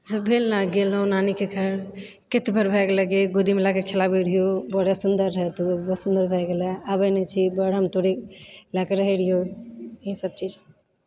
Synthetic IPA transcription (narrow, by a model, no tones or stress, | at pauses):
d͡ʒəbbʱelnaɡelõnanikekʰəɾ | ket̪bʱəɾbʱajkeləɡeɡod̪imelakekʰelabeɽijobəɽesund̪əɾːəɦɛt̪ubsund̪əɾbʱəɡelɛabənet͡ʃʰibəɽɦəmt̪oɽilakeɾəɦəɽ̤ijoesəb̚t͡ʃid͡ʒ